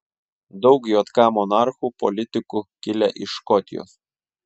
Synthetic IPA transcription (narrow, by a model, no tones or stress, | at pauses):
d̪ɒʊkjoːt̪kɑːmɔnɑɾxuːpɔ̰lʲɪt̪ʲɪkukʲɪlʲɛʔɪʃkɔt̪ʲɪjo̰ːs